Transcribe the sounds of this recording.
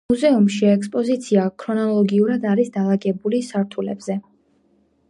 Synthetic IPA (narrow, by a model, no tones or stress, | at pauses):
uzɛumʃiɛkspʼɔzit̪sʰiakʰɾɔnɔlˠɔɡiuɾad̪aɾisd̪alˠaɡɛbulisaɾt̪ʰulɛ̰bzɛ